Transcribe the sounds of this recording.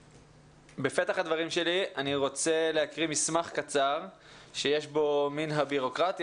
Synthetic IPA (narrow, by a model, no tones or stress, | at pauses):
befe̞t̪aχhad̪vaʁimʃe̞lianiʁo̞t͡se̞le̞akʁimismaχkat͡saʁ | ʃe̞je̞ʃbo̞minɦabiʁo̞kʁat̪